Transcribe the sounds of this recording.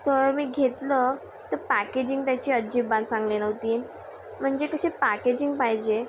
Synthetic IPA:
t̪əɾmiːɡʱet̪lə | t̪əɾpæked͡ʑiŋɡt̪jat͡ɕiːəd͡ʑiːbãnsãŋɡlenəʋt̪iː | m̤əɳd͡ʑekəɕepæked͡ʑiŋɡpajd͡ʑe

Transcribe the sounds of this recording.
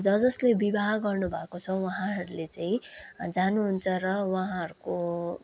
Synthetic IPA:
d͡zʌd͡zʌslebibʱaɡʌrnubʱakot͡sʰʌwaɦãɦʌɾulet͡saĩd͡zanuɦunt͡sʰʌrʌwaɦãɦʌɾuko

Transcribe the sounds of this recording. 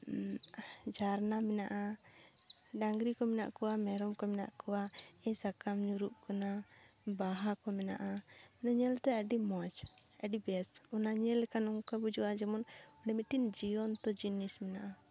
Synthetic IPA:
d͡ʒaɾnamɛnaʔa | ɖaŋɡɾikɔmɛna̰ʔkɔwamɛɾɔmkɔmɛna̰ʔkɔwaɛɲsakamɲuɾuʔkanabaɦakɔmɛna̰ʔamɛnaɲɛlt̪ɛəɖimɔt͡ʃəɖibɛsɔnaɲɛlːɛkanɔŋkabud͡ʒuʔad͡ʒɛmɔnɔɖɛmiʈind͡ʒiɔnt̪ɔd͡ʒinismɛnaʔa

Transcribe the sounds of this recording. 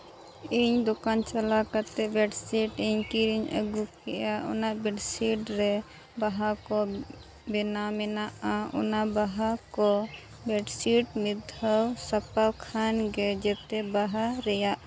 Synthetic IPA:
iɲd̪ɔkant͡ʃalakaɾt̪ɛbɛɖsiʈiɲkiɾiɲə̰ɡukɛjaʔɔ̰naʔbɛɖsiʈɾɛ | baɦakɔ | bɛnamɛnaʔaɔ̰nabaɦakɔ | bɛɖsiʈmid̪ʱəwsapawkʰanɡɛd͡ʒɛt̪ɛbaɦaɾɛjaʔ

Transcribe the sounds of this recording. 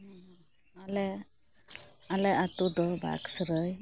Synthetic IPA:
alɛ | alɛat̪ud̪ɔba̰ksəɾəj

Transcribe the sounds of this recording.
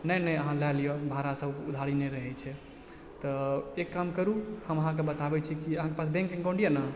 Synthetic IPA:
nəjnəjəɦãlalijonbʱaɾasəbud̪ʱaɾineɾəɦɛt͡ʃʰɛ | t̪ɔekːamkəɾuhəməɦãkebət̪abɛt͡ʃʰikiəɦãkepas̬bẽŋkĩŋɡõɳɖijanə

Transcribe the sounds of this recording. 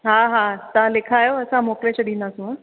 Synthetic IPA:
ɦãɦãt̪ãlekʰaːjoəsãmokleɕəɽiːnasu

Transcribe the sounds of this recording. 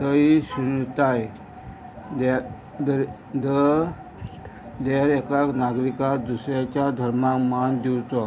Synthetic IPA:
t̪əisunt̪aj | d̪ | d̪ | d̪ə | d̪eɾekaknaɡɾikad̪usɾjat͡ɕad̪ʱəɾmakmand̪iwt̪ɔ

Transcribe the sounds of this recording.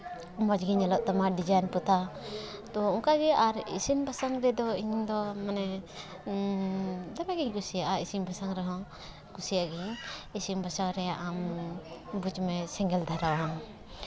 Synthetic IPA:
mad͡ʒɡiɲalɔʔt̪amaɖid͡ʒajnpɔt̪at̪ɔuŋkaɡɛʔaɾḭsinbʱasaŋɾɛd̪ɔiɲnd̪ɔmanɛ | d̪abɛɡiɲkusijaʔaisimbʱasaŋɾɛɦɔ̃ | kusijaɡiɲisimbʱasaŋɾɛaʔam | bud͡ʒmɛsɛŋɡɛld̪ʱaɾawaɦa

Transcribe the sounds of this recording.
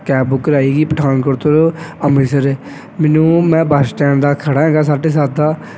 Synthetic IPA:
kɛːbbʊkːəɾaːiːɡiːpəʈʰaːnkoɾt̪ʰoɾəmiːsəɾɛː | mɛːnũːmɛ̃ːbəsʈɛ̃ːnd̪aːkʰəɽaːɦɛ̃ːɡaːs̬aːɖeːs̬aːɾd̪aː

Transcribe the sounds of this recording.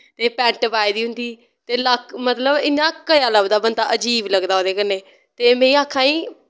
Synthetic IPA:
t̪eːpɛ̃ːɳʈpaːiːd̪iːɦʊ̃nd̪iː | t̪eːləkʰmət̪ləbɪnːãːkəjaːləbd̪aːbənd̪a̰ːʔəd͡ʒiːbləɡd̪aːɦoːd̪eːkəneː | t̪eːmɛ̃ːĩːaːkʰːãːiː

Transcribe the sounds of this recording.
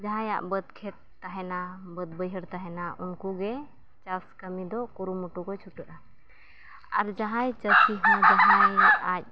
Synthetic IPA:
d͡ʒaɦãja̰ʔbəd̪kʰɛt̪̚ːaɦɛnabəd̪̚bəjɦəɾt̪aɦɛnaʔunkuɡɛ | t͡ʃaskəmid̪ɔkuɾumuʈukɔjt͡ʃʰuʈəʔa | a̰ɾd͡ʒaɦãjt͡ʃəsiɦãd͡ʒaɦãjac̚

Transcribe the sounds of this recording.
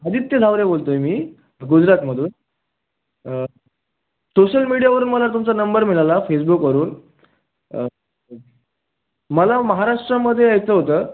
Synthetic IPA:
əd̪iːt̪ːed͡zʱaʋɾebolt̪ojmiː | ɡud͡ʑɾat̪məd̪ʱuːn | soɕəlmiɽijaʋəɾuːnməlat̪umt͡sanəmbəɾmilalafesbukʋəɾuːn | məlaməɦaɾaʂʈɾəməd̪ʱːjeajt͡səːɦot̪əː

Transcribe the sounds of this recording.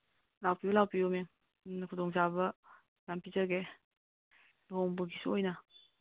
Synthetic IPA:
lawpibɐlawpiɔme | kʰudɔŋsabɐ | jampizaɡe | loɦɔŋbɯɡisuɔjna

